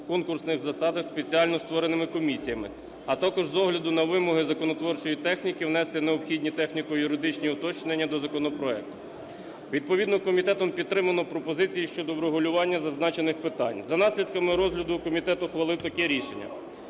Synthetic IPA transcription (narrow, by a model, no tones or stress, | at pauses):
kɔnkʊrsnɪɣzɐsɑd̪ɐxspe̞t͡sʲiɑlʲnɔst̪ʋɔɾenɪmɪkɔmʲisʲijɐmɪ̰ | ɐt̪ɑkɔʒzɔɦlʲɐd̪ʊnɐʋɪmɔɦɪzɐkɔnɔt̪ʋɔrt͡ʃɔjit̪ɛxnʲikɪʋnɛst̪ɪneɔpxʲid̪ʲnʲit̪ɛxnʲikɔjʊɾɪd̪ɪt͡ʃnʲiʊt̪ɔt͡ʃnenʲːɐd̪ɔzɐkɔnɔpɾɔɛk̚t̪ʊ̥ | ʋʲid̪̚pɔʋʲid̪nɔkɔmʲit̪ɛt̪ɔmpʲid̪ɾɪmɐnɔpɾɔpɔzɪt͡sʲijiʃt͡ʃɔd̪ɔʋɾeɦʊlʲʊʋɑnʲːɐzɐznɑt͡ʃenɪxpɪt̪ɑnʲzɐnɑsʲlʲid̪̚kɐmɪɾɔzɦlʲɐd̪ʊkɔmʲit̪ɛt̪ʊxʋɐlˠɪwt̪ɐkɛɾʲiʃenʲːɐ̰